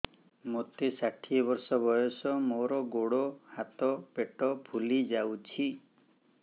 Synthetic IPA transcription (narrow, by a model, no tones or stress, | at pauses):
mot̪esaʈʰiɔbɔɾsɔbɔjɔsɔmoɾɔɡoɽohat̪ɔpeʈɔbʱulid͡ʒawt͡ʃʰi